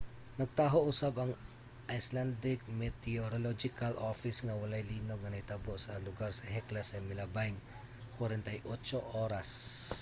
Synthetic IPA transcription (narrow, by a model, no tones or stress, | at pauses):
nɐɡ̚t̪aːɦoʔusapɐŋ | ʔajsland̪ɪk̚mɛt̪ɛoɾolod͡ʒɪkalʔofɪsŋɐwɐlajliːnoɡ̚ŋɐnɐt̪aboʔsɐlʊɡaɾsɐhɛklɐsɐmɪlɐbajŋ | kwɐɾɛnt̪ɐjʔot͡ʃoʔoːɾas